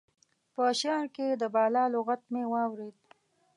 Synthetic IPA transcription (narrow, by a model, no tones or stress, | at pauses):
pəʃɑɾked̪əbɑlɑloɣat̪̚mewɑwɾed̪̚